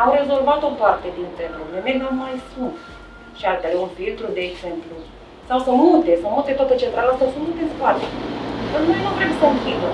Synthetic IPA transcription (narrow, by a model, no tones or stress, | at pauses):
awɾe̞zo̞lvat̪o̞part̪e̞d̪int̪ɾepɾoblemenamajsus | ʃialt̪aleunfilt̪ɾud̪e̞ːɡse̞mplu | sawsəmut̪e̞səmut̪et̪oat̪ət͡ʃe̞nt̪ɾalasawsəmut̪enspoat̪eənumejnuvɾemsəɨŋkʲibə